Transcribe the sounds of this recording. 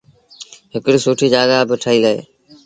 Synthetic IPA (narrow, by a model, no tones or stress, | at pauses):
ɦɪkɽiːsuːʈʰiːd͡ʒaːɡaːbɪʈʰəiːɡəḛː